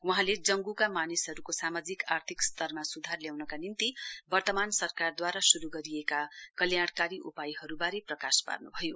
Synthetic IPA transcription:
wuɦãled͡zʌŋɡukamanisɦʌɾukosamad͡zikart̪ʰikst̪ʰʌrmasud̪ʱarljawnʌkanint̪ibʌrt̪ʌmansʌrkard̪waɾasuɾuɡʌɾiekakʌljaɽ̃kaɾiʔupajiɦʌɾubaɾeprʌkaspa̰rnubʱʌjo

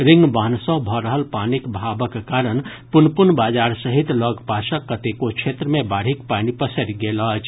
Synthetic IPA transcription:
ɾɪŋɡbaːnsə̃ɦbʱɔɾəɦəlpanikbʱabəkkaɾən | pʊnpʊnbaːd͡ʒaːɾsəɦit̪lɔɡʱpaʃəkːət̪ekokt͡ʃʰet̪ɾəmẽbaːɽ̤ikpanipəsəɾɡelɦt͡ʃʰ

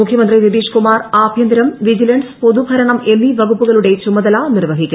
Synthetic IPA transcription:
ukʰjɐmɐnd̪riʋid̪iːʂkumaːraːbʱjɐnd̪ɾɐmʋid͡ʑilɐɳɖspo̞ðubʱɐɾɐɳɐme̞nːiʋɐɣupːuɣɐɭuɽe̞t͡ɕumɐðɐlanirʋɐɦikʲːu

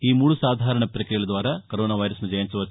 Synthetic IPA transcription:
iːmuːɽusaːd̪ʱaːɾɐɳɐpɾɐkɾijɐɭɐd̪ʋaːɾɐkɐɾoːnaːʋɐjɾɐsmɐd͡ʒɐjɐnsɐʋɐ

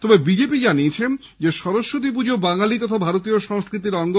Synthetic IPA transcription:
t̪ɔbebid͡ʑepid͡ʑaniet͡ɕʰen | d͡ʑeʃɔɾoʃːot̪ip̬ud͡ʑobaŋalit̪ɔt̪ʰabʱaɾot̪̬ioʃɔŋskɾit̪̬iɾɔŋɡo

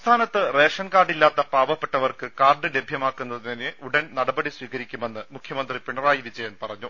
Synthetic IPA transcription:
st̪ʰaːnɐt̪ːɨre̞ːʂɐnkaːrɖilːaːt̪ːɐpaːbɐpːe̞ʈːɐʋɐrkɨkaːrɳɨlebʱjɐmaːkːunːɐðɨt̪ineʔuɽɐnnɐɽɐbɐɽisʋiːɣɐɾikʲːume̞nːɨmukʰjɐmɐnd̪ripiɳɐraːjiðit͡ɕːejaːnpɐrɐɲːu

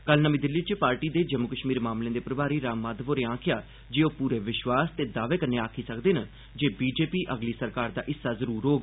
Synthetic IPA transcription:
kəlnəmĩːd̪ɪlːiːt͡ʃpaːɾʈiːd̪eːd͡ʒəmʊkəʃmiːɾmaːmlẽːd̪eːpəɾəbaːɾiːɾaːmːaːd̪ʋoːɾeãːkʰɪjaː | d͡ʒeːoːpuːɾeːʋɪʃʋaːst̪eːd̪aːʋeːkəneːaːkʰiːsəkd̪eːna | d͡ʒeːbiːd͡ʒeːpiːʔəɡliːsəɾkaːɾd̪a̰ːʔɪsːaːzəɾuːɾɦoːɡ

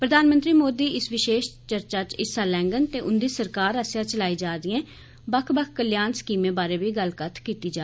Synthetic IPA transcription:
pɾəd̪ʱaːnmə̃nt̪ɾiːmoːd̪iːɪsʋɪʃeːʃt͡ʃəɾt͡ʃaːt͡ʃɪsaːlɛ̃ːŋɡənt̪eːʔʊnd̪iːsəɾkaːɾəsjãːt͡ʃəlaːiːd͡ʒaːd̪iẽː | bəkʰbəkʰkəljaːnskiːmẽːbaːɾeːʋiːɡəlkət̪ʰkiːt̪iːd͡ʒaː

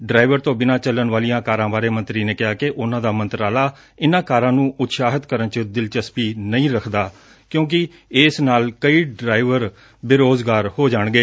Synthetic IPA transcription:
ɖɾaːɪʋəɾt̪õːbɪnãːt͡ʃəlːənʋaːlijãːkaːɾãːbaːɾeːmə̃nt̪ɾiːneːkɪɦaːkɪʔʊnãːd̪aːmə̃nt̪ɾaːlaː | ɪnãːkaːɾãːnũːʔʊt̪saːɦət̪kəɾənt͡ʃəd̪ɪlt͡ʃəspiːnəĩːɾəkʰd̪aː | kjõːk̬ɪ | ɪsnaːlkəiːɖɾaːɪʋəɾ | bɪɾoːzɡaːɾhoːd͡ʒaːɳɡeː

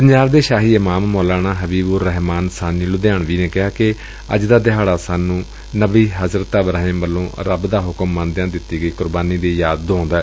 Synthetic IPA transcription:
pəɲd͡ʒaːbd̪eːʃaːɦiːɪmaːmmoːlaːnaːɦəbiːbuɾəɦmaːnsaːniːlʊd̪jaːɳʋiːneːkɪɦaːkɪ | ə̰d͡ʒd̪aːd̪ɪɦaːɽaːsaːnũː | nəbiːɦəzɾt̪aːbəɾaːẽːmbəlːõːɾəbd̪aːɦʊkəmːə̃nd̪ɪjãːd̪ɪt̪ːiːɡəiːkʊɾbaːniːd̪eːjaːd̪ːõːnd̪aːɛː

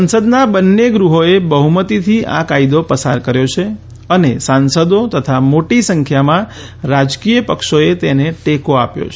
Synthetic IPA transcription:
sənsəd̪nabənːeɡɾuɦoebəɦumət̪it̪ʰiʔa̰kaid̪opəsaɾkəɾjot͡ʃʰe | ənesansəd̪ot̪ət̪ʰamoʈisəŋkʰjamã | ɾad͡ʒkijəpəkʃoet̪eneʈekoapjo̰t͡ʃʰ

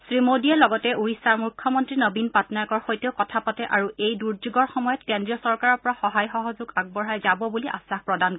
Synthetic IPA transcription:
sɹimodiɛlɔɡɔtɛuɹisaɹmukʰːjɔmɔntɹinəbinpatnajkɔɹxojteʊkɔtʰapatɛʔaɹuʔejduɹd͡ʒuɡɔɹxɔmɔjɔtkendɹiɔsɔɹkaɹɔɹpɔɹaxɔɦajxɔɦɔzuɡaɡ̚bɔɹɦajzabɔbuliʔa̰saxpɹɔdanko

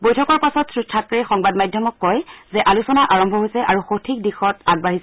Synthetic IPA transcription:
bojtʰɔkɔɹpasɔtsɹustʰːakkaɹixɔŋbadmajdʱjɔmɔkːɔjzɛʔalusɔnaʔaɹɔmbʱɔɦojsɛʔaɹuxotʰik̚dixɔtaɡ̚baɦisɛ

